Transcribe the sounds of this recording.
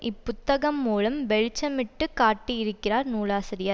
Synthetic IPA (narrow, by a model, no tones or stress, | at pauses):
ʔɪpːʊt̪ːɐɣɐmːuːɭɐmʋɛɻt͡ʃːɐmɪʈːɯkaːʈːijɪɾɯkːɪraːɾnuːlaːsɪɾɪjɐ